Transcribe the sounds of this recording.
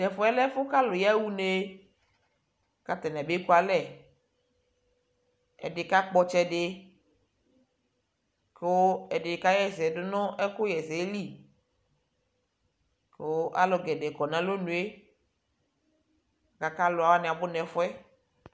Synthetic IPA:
nɛ˨fʊ˦ɛ˦lɛ˦fʊ˦ka˦lʊ˨ja˦wu˦ne˦˨ | ka˦t̪ɛ˨n˨ã˨be˦ku˦a˨lɛ˨ | ɛ̰˨dɪ˨ka˦k͡pɔ˦t͡ʃɛ˦ɖe˨ | ko˦ɛ˨dɪ˨ka˦jɛ˨sɛ˨dʊ˦nɔ̃˦ʔɛ˦kʊ˦jɛ˨sɛ˨e˦li˦ | ko˦ʔa̰˦lɔ˨ɡɛ˨de˨kɔ˨nã˨lo˦nũ˨e˦ | a˨ka˨ka˦lʊ˨a˨wa˦nɪ̃˨a˨bʊ˦nɛ˨fʊ˦ɛ˦

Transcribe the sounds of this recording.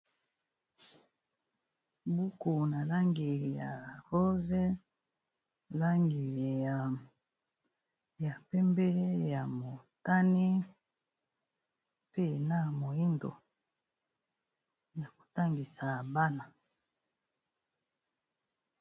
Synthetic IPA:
bu˦ku˨na˨la˦ŋɡi˨ja˨ʁo˦ze˦ | la˦ŋɡi˨a˨ | ja˨pɛ˦mbɛ˦ja˨mo˨ta˦ni˦ | pe˦˨na˦mo˨i˦ndo̰˨ | ja˨ko̥˨ta˦ŋɡi˨sa˨ba˦na˨

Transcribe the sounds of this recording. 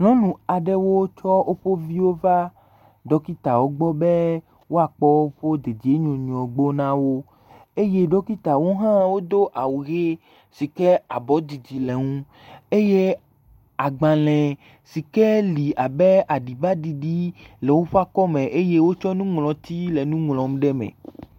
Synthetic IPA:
ŋlɔ̃˦nũ˨a˨ɖɛ˦wo˦t͡ʃɔ˦ʔo˦ɸo˦vi˦wo˦va˦ | ɖɔ˦ki˦t̪a˨wo˦ɡ͡bɔ˦bɛ˦ | wo˦a˨k͡pɔ˦wo˦ɸo˦d̪e˨d͡ʑi˨e˦ɲɔ̃˨ɲ˨ɔ̃˨ɡ͡bo˦nã˦wo˦ | e˦je˦ɖɔ˦ki˦t̪a˨wo˦ɦã˦wo˦d̪o˦ʔa˨wu˨ɣe˦ | si˨kɛ˦a˨bɔ˨˦d̪i˨d͡ʑi˨le˨ŋũ˦ | e˦je˦ | a˨ɡ͡bã˨lɛ̃˨ | si˨kɛ˦li˨a˨bɛ˦a˨ɖi˨ba˦ɖi˨ɖi˦lɛ˨wo˦ɸo˦a˦kɔ˦mẽ˨ʔe˦je˦wo˦t͡ʃɔ˦nũ˦ŋlɔ̃˨t̪i˦le˨nũ˦ŋlɔ̃˨m˦ɖɛ˦mɛ̰̃˨

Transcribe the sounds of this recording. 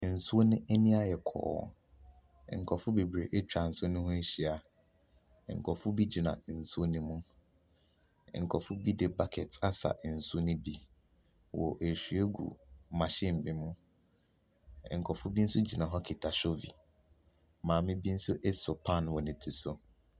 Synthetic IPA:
n̩˨su˦o˦nʊ̃˦e˦nĩ˦a˦jɛ˨kʰɔ̰ː˨˦˨ | ŋ̩˨kʰɔ˨fʊ˦be˨bɾe˨ʔe˦t͡ɕᶣa˨n̩˨sʊ˦o˦nʊ̃˦hʊ̃˦ɕi˨a˨ | ŋ̩˨kʰɔ˨fʊ˦bi˦d͡ʑi˨nã̰˨˦n̩˨su˦o˦nĩ˦mũ˦˨ | ŋ̩˨kʰɔ˨fʊ˦bi˦dɪ˨ba˦kʰɛ˨tʰa˦sa̰˨n̩˨su˦o˦nɪ̃˦bi˦ | wɔ̰˨ʔe˨ɕᶣɥe˦ɡṵ˨mã˨ɕɪ̃˦m̩˨bɪ̃˨mʊ̃˦˨ | ŋ̩˨kʰɔ˨fʊ˦bi˦n̩˦sʊ˦d͡ʑi˨nã˨ɦɔ˦kʰɪ˨tʰa˨ɕo˦vḭ˨ | mãː˨mɪ̃˦bi˦n̩˦sʊ˦ʔɛ˦sʊ˨pʰã˦˨nwɔ˨nɪ̃˨tʰi˨sʊ˦

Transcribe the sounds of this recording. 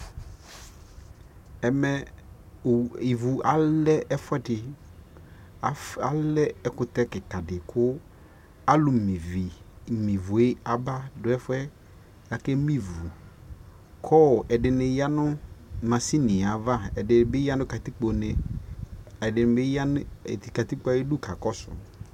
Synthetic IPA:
ɛ˨mɛ˨ | i˨vu˨a˦lɛ˦ʔɛ˦fʊ˦ɛ˦dɪ˨ | a˨lɛ˦ɛ˦kʊ˨t̪ɛ˦kɪ˨ka˨dɪ˨kʰʊ˦ | a˦lʊ˨mi˨vi˨mĩ˨vʊ˨e˦a˨ba˦dʊ˨˦ɛ˦fɛ˦ | a˨ke˦mĩ˦vu˨ | kʰɔ˦˨ʔɛ˨dɪ˨nɪ˨ja˦nʊ˦mã˨si˦nɪ̃˨a˨va˦ɛ˨dɪ˨n˨bɪ˦ja˦nʊ̃˦ka˨t̪i˦k͡po˨nɛ˨ | ɛ˨dɪ˨n˨bɪ˦ja˦n˦˨ti˨ka˨t̪i˦k͡pa˨ji˦du˦˨kʰa˨kɔ˦sʊ̰˨

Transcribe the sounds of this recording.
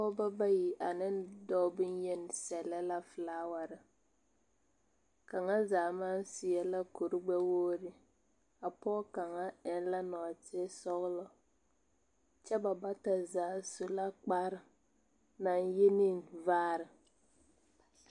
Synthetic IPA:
pɔ˦ba˦ba˦ji˨ʔa˨nɪ˦ndɔː˦bu˦njɛ˦n˨sɛ˨lɛ˦la˦fɨ˨laː˦wa˨ɾɪ˨ | ka˨ŋa˦zaː˨ma˦n˦sɪ˨jɛ˨la˦ko˨ɾu˦ɡ͡bɛ˦woː˦ɾɪ˦ | a˨pɔː˦ka˨ŋa˦ɛ˨n˦la˦nɔ˨tɪ˦sɔ˦ɣlɔ˦ | t͡ʃɛ˦ba˨ba˦ta˨zaː˨˦su˨la˦k͡pa˦ɾɨ˨ | na˨nje˦ni˦nvaː˦ɾɨ˨

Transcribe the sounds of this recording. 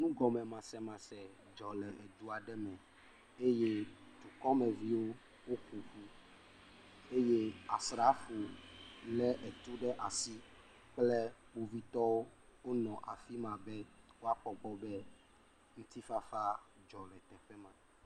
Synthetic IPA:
nũ˦ɡɔ˨mɛ̃˨mã˨sɛ˨mã˨sɛ˨ | d͡ʒɔ˨lɛ˨ʔe˨d̪u˦a˨ɖɛ˦mɛ̃˨ | e˦je˦d̪u˨kɔ˦mɛ̃˨vi˦wo˦ | wo˦ku˨ɸu˦ | e˦je˦a˨sɾa˦fu˨lɛ˦ʔɛ˨t̪u˦ɖɛ˦ʔa˨si˦ | k͡plɛ˦bu˦vi˦t̪ɔ˦wo˦wo˦nɔ̃˨ʔa˨fi˦mã˨bɛ˦wo˦a˦k͡pɔ˨ɡ͡bɔ˦bɛ˦ | ŋũ˦t̪i˦fa˦fa˦d͡ʒɔ˨lɛ˨t̪ɛ˨ɸɛ˦mã˨

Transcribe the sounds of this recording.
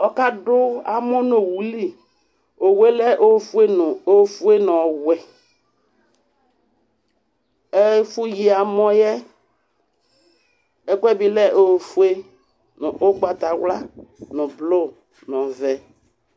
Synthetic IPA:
ɔ˦ka˦dʊ˦a˨mɔ˦no˨wu˨li˦ | o˨we˦lɛ˦ʔo˦fu˦e˦n˨o˦fu˦e˦nɔ˨wɛ˨ | ɛ˦fu˦ji˨a˨mɔ̃˦jɛ˦ | ɛ˦kʷɛ˦bi˨lɛ˦ʔo˦˨fu˨˦e˦ | n˨ʔo˦ɡ͡ba˨t̪a˨wla˦nʊ̃˨blo˦ | nɔ˨vɛ˨

